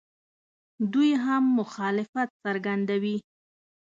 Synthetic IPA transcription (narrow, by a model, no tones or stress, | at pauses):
d̪ujɦamːʊxɑlɪfat̪̚saɾɡand̪awi